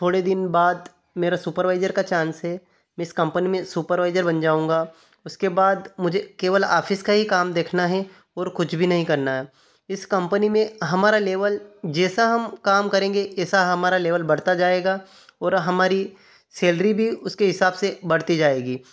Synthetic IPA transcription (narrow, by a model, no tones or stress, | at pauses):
t̪ʰoːɽed̪ɪnbaːd̪ | meːɾasuːpəɾʋaːɪzəɾkat͡ʃãːnsɦɛ | mɛ̃ɪskɐ̃mpənimẽsuːpəɾʋaːɪzəɾbɐnd͡ʒaːũːŋɡa | ʊskebaːd̪mʊd͡ʒʱekeːʋəla̰ːfʰɪskaɦikaːmd̪eːkʰnaɦɛ | ɔːɾkʊt͡ʃʰbʱinɐɦĩkɐɾnaɦɛ | ɪskɐ̃mpənimẽɦɐmaːɾaleːʋəld͡ʒɛːsaɦɐmkaːmkɐɾẽːŋɡeɛːsaɦɐmaːɾaleːʋəlbɐɽt̪ad͡ʒaːeːɡa | ɔːɾɦɐmaːɾi | seːlɾibʱiʊskeɦɪsaːbsebɐɽt̪id͡ʒaːeːɡiː